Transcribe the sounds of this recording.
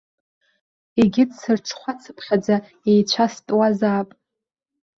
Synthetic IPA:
eɡʲɪdsɨrʈ͡ʂʰχʷat͡sʰɨpʰχʲad͡za | ejt͡ɕʷʰastʼwazaːpʼ

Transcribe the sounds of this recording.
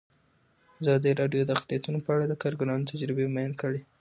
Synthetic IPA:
azɑd̪əɾɑɖjod̪əaqlijat̪unopəaɽad̪əkɑɾɡʊnɑnot̪ʰad͡ʒɾɪbemajnkəɽe

